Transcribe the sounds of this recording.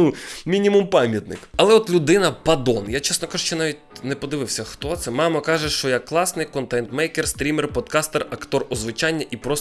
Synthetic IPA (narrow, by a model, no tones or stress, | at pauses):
umʲinʲimumpɑmʲjɐt̪nɪ̰kɐlˠɛɔt̪lʲʊd̪ɪnɐpɐd̪ɔnjat͡ʃɛsnɔkɑʒuʃt͡ʃɛnɑʋʲitʲnɛpɔd̪ɪʋɪwsʲɐxt̪ɔt̪sɛmɑmɐkɑʒɛʃt͡ʃɔjɐkːlˠɑsnɪjkɔnt̪ɛnt̪mɛjkerst̪ɾʲimerpɔd̪̚kɑst̪erɐkt̪ɔrɔzʋɪt͡ʃɑnʲːɐʔipɾɔs